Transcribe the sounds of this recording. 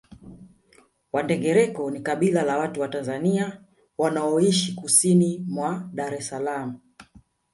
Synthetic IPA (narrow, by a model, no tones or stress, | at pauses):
wandɛɡɛɾɛkɔnikaɓilalawatuwatanzania | wanaɔiʃikusinimwaɗaɾɛsalam̩